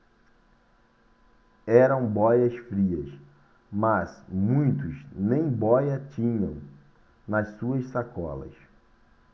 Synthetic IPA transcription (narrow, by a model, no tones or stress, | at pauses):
ɛɾɐ̃w̃bɔjɐsfɾiɐs | mɐzmũj̃t̪ʊznẽj̃bɔjɐt͡ʃĩɲɐ̃w̃ | nɐssuɐssakɔ̰lɐ̰s